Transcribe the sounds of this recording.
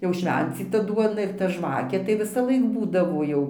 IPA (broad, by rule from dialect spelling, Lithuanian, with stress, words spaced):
jɛʊ ˈʃʲʋʲɛnʲt͡sʲiːtɐ ˈduɔnɐ ɪr tɐ ˈʒʋɑːkʲeː tɐɪ ʋʲɪsɐˈlˠɐɪk ˈbuːdɐʋoː ˈjɛʊ